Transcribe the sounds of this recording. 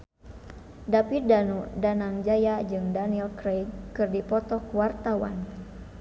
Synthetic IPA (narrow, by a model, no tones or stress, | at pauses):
dapidanudanaŋd͡ʒajad͡ʒɨŋdanilkɾejkɨrdipɔt̪ɔkuwart̪awa̰n